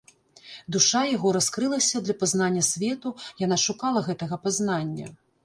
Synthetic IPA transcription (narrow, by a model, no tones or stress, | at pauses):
d̪uʂajaɣɔɾaskɾɨlˠɐsʲɐd̪lʲɐpaznanʲːɐsʲvʲɛt̪ujanaʂukalˠɐɣɛt̪ɐɣɐpaznanʲːɐ̰